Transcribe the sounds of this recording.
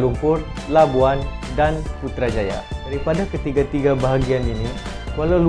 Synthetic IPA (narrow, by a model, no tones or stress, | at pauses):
lumpʊr | labuan | danput̪ɾad͡ʒaja̰daɾipadakət̪iɡat̪iɡabaɦaɡianini | kualawlu